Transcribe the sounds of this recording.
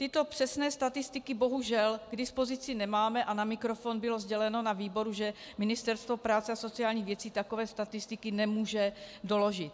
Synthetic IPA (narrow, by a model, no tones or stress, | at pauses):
t̪ɪt̪o̞pr̥ɛsnɛːst̪at̪ɪst̪ɪkɪbo̞ɦuʒɛlɡdɪspo̞zɪt͡sɪnɛmaːmɛʔanamɪkɾofonbɪlo̞zɟɛlɛno̞naviːbo̞ɾuʒɛ | mɪnɪst̪ɛɾst̪vo̞pɾaːt͡sɛaso̞t͡siaːlɲiːɣvjɛt͡siːt̪akovɛːst̪at̪ɪst̪ɪkɪnɛmuːʒɛdo̞lo̞ʒɪt̪